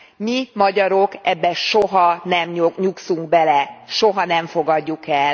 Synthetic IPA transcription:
mimɒɟɒɾo̞kɛbːɛʃoɦɒnɛmɲoɲuksuŋɡbɛlɛʃoɦɒnɛɱfo̞ɡɒɟːukɛl

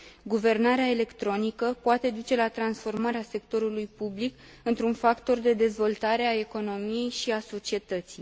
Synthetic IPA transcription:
ɡuve̞rnaɾeaele̞kt̪ɾo̞nikəpoat̪e̞d̪ut͡ʃe̞lat̪ɾansfo̞rmaɾease̞kt̪o̞ɾulujpublik | ɨnt̪ɾunfakt̪o̞rd̪e̞d̪e̞zvo̞lt̪aɾe̞ae̞ko̞no̞mije̞jʃiaso̞t͡ʃie̞t̪ət̪sij

